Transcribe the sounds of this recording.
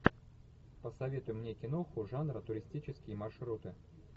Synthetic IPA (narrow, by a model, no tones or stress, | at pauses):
pəsɐvʲe̞t̪ʊjʊmnʲekʲɪnoxʊʐanɾət̪ʊɾʲɪsʲtʲit͡ɕɪskʲɪjəmɐrʂɾut̪ɨ